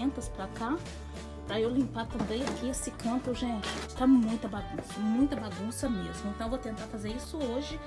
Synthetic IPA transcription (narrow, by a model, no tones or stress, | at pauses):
ẽnt̪ɐspɾɐka | pɾɐewlĩpak̪ɐ̃d̪ẽjkiesɪkɐ̃t̪ʊʒẽnt͡ʃɪ̥t̪amũj̃t̪ɐbaɡũsɐmũj̃t̪ɐbaɡũsɐmezmʊẽt̪ɐ̃w̃vot̪ẽnt̪aɾfazeɾisʊoʒɪ